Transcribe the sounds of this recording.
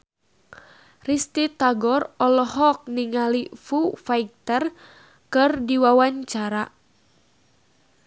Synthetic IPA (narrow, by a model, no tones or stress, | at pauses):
rist̪it̪aɡɔrɔlɔɦɔk̚niŋalifufaik̚t̪ər | kɨrdiwawaɲt͡ʃaɾa